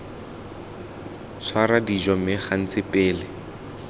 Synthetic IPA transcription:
swaɾadid͡ʒɔmɪχan̩t͡sɪpʼeːlɪ

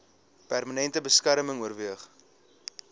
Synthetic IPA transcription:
pærmənɛntəbəskærməŋuərviəχ

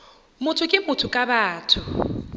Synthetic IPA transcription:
mʊtʰʊkʼɪmʊtʰʊkʼabaːtʰʊ

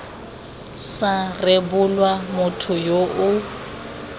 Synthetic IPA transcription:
sarebʊlwamʊtʰʊjoʔʊ

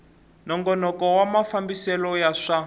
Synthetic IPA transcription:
nɔŋɡɔnɔkɔwamafambisɛlɔjaʂa

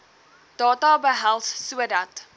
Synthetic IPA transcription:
d̥ɑːtɑbəɦælˠssuədɐt

